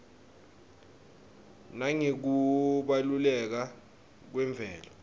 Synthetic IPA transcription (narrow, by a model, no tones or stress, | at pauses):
naŋek̬uɓalulɛk̬a | k̬wɛɱb̪vʱɛːlɔ